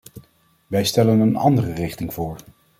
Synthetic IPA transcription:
ʋɛjstɛlənənɑ̰ndərərɪχtɪŋv̥ʊːɹ

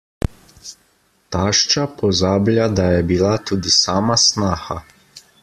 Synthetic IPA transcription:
t̪aːʃt͡ʃapɔzaːblʲjad̪ajɛbilat̪uːd̪isaːmasnaːxa

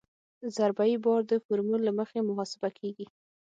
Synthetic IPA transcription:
zaɾbajibɑɾd̪əfʊɾmullːaməxemʊɦɑsɪbakʰeɡi

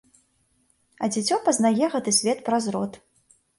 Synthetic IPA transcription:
ɐd͡zʲit͡sʲɔpɐznajɛɣɛt̪ɨsʲvʲɛt̪pɾazɾɔt̪

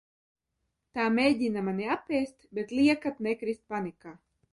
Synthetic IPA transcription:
t̪aːmʲejɟʲinamaniapʲɛːst̪bet̪lʲiɛkat̪nekɾist̪̚panikaː

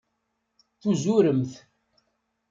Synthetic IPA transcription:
θuzuɾəmθ

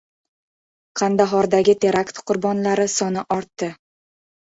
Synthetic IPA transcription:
qʰɑnd̪aɦɒɾd̪aɡʲɪt̪ʰe̞ɾakt̪qʰʊɾbɒnlaɾɪsɒnɪʔɒɾt̪ːɪ

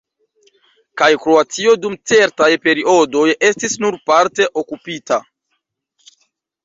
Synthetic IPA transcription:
kajkɾo̞at͡sio̞dumt͡se̞ɾtajpe̞ɾiʔo̞do̞je̞stisnuɾpaɾte̞ʔo̞kupita

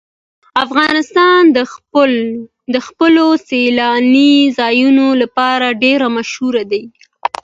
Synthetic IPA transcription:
afɣɑnɪst̪ɑn | d̪əxpəloselɑnizɑjunolapɑɾaɖeɾamaʃhuɾad̪ai

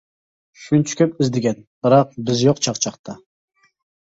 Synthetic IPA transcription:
ʃunt͡ʃʰɪ̥kʲøpɪzd̪ɪɡʲɛnb̥ɨɾɑq̚bɪzjoqt͡ʃʰɑqt͡ʃʰɑqt̪ʰɑ

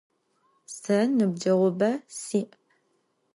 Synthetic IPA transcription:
sɐnɨb̚d͡ʒɐʁʷʊbɐsiːʔ

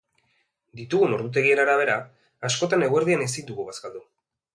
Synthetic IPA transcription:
d̪it̪uɣuno̞ɾðut̪̬e̞ɣie̞naɾaβ̞e̞ɾa | asko̞t̪ane̞ɣwe̞ɾð̞ianesind̪uɣuβaskald̪u

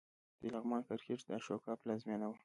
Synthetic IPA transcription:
d̪̥əlaɣmɑnkaɾkeʈ͡ʂd̪əʃokɑplɑzmenawə

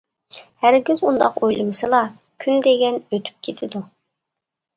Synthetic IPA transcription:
hæɾɡʲøzund̪ɑqojlˠɨmɨsɨlˠɑ | kʲʰynd̪eɡʲɛnøt̪ʰy̥p̚kʲʰet̪ʰɪd̪u

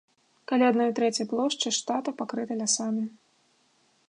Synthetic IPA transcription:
kalʲaad̪nɔjt̪ɾɛt͡sʲɐjplˠɔʂt͡ʂɨʂt̪at̪ɐpakɾɨt̪ɐlʲasamʲi

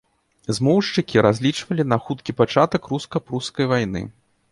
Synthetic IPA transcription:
zmɔwʂt͡ʂɨkʲiɾazʲlʲit͡ʂvɐlʲinɐxut̪kʲipat͡ʂat̪ɐkɾuskɐpɾuskɐjvajnɨ̰

